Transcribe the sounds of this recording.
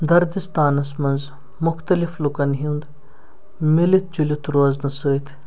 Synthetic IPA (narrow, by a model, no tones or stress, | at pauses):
d̪ɐɾd̪ist̪aːnɐsmɐnz | mʊxt̪ɐliflukɐnɦind̪ | milit̪̚d͡ʒulʲit̪ʰɾoːznɐsəːit̪ʰ